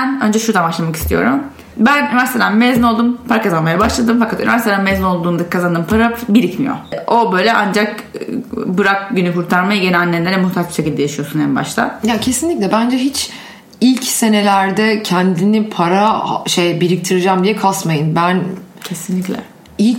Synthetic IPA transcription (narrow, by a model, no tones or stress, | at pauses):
bænønd͡ʒɛʃuɾd̪anbaʃlˠamaki̥st̪ijo̞̰ɾum | bænynivæɾst̪ed̪anmezinolˠd̪umpʰaɾakazanmajabaʃlˠad̪ɯmfakʰat̪ynyvæɾst̪ed̪æanmezino̞lˠd̪uːnd̪akʰazand̪ɯːmpʰaɾabiɾicmḭjo̰o̞bø̞jlʲɛʔand͡ʒak | bɯɾak̚ɟynykʰuɾt̪ʰaɾmajɟe̞nɛanːʲeɛnd̪ɛd̪ɛmuht̪ʰat͡ʃbi̥ʃecʲilʲd̪ɛjaʃijo̞sunɛnba̰ʃt̪ʰa̰jacʰe̞sinlʲicʲlʲɛbænd͡ʒɛɦit͡ʃ | ilʲcse̞ne̞lʲæɾd̪ɛcʰɛnd̪inipʰaɾaʃejbiɾic̚t̪ʰiɾɯd͡ʒaːmd̪ijɛkʰasmajɯnbæncʰesinlʲiclʲɛ̰ | ilʲc